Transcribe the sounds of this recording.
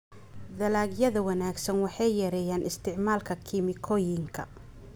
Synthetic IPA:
d̪ɐlaːɡjɐðɐwɐnaːɡsɐnwɑħɑjjɛɾɛjaːnɪst̪ʰɪʕmaːlkʰɐkʰɪmɪkʰɔjɪŋkʰɐ̰

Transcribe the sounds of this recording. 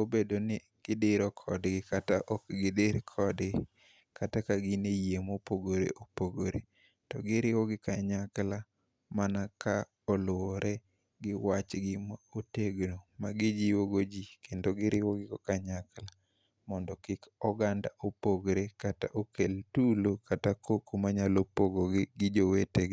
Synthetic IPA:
obedonɪ | ɡ̥ɪdɪɾɔkʰɔdɡɪkataʔɔkɡɪdɪɾkʰɔd | katakaɡɪnejemopoɡoɾḛʔopoɡoɾḛ | tɔɡɪɾɪwɔɡɪkaɲakla | manakʰa | ɔlʊɔɾʔɛ | ɡɪwat͡ʃɡɪmaoteɡnomaɡɪd͡ʒiwoɡod͡ʒikendoɡɪɾʔɪwɔɡɪkɔkaɲakla | mɔndɔkɪkɔɡandaʔopoɡɾekata̰ʔokeltulokʰatakokumaɲalopoɡoɡɪɡɪd͡ʒoweteɡ

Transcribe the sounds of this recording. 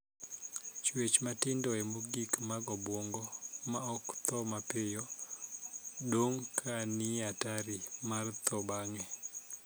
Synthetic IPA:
t͡ʃwet͡ʃmatɪndɔɛmoɡikmaɡɔbwoŋɡɔmaɔkt̪ɔmapɪjɔ | doŋkʰanɪataɾɪmart̪ʰɔbaŋɛ

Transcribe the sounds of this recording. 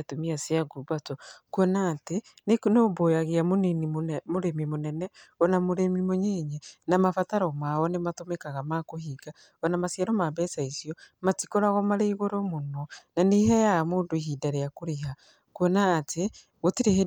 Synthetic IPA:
atomiaseaɡubatɔkuɔnateneknoːbojaɣeamoninimoɾemimonɛnɛɔnamoɾemimoɲeɲenamafataɾɔmawɔnematomekaɣamakoɦiɡa | ɔnamasjaɾɔmabɛsaisiɔmatikoɾaɣɔmaɾeiɣoɾɔmonɔnaniɦɛjamoːndoiɦidaɾejakoɾeɦa | kuɔnaːte | ɣotiɾeɦe

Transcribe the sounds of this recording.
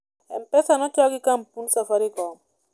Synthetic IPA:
ɛ̰mpɛsanɔt͡ʃaɡikampunsafaɾikɔ

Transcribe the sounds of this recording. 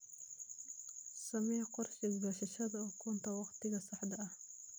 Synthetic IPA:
sɐmɛqɔrʃɪɡbɐʃɐʃɐd̪ɔːkʰɔːnt̪ʰɐwɑqt̪ʰɪɣɐsɑħd̪ɐɐh

